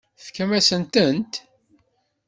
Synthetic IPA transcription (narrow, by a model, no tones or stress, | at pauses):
θkæmæsənt̪ənt̪